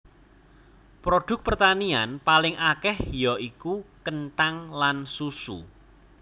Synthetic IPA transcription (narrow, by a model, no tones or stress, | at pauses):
pɾoɖ̥ʊ̤k̚pərt̪anianpalɪŋʔakɛhjɔʔikukənʈ̪aŋlansusṵ